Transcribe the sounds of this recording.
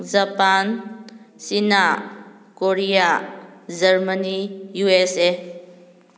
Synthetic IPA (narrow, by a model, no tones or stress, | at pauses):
zapan | sina | koɾijazɐɾmənijuese